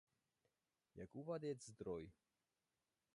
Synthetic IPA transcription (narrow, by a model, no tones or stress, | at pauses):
ja̰kuvad̪ʲezd̪ɾɔj